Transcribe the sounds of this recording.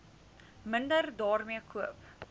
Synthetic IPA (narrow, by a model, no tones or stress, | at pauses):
məndərdɑːrmiəkʰuəp̚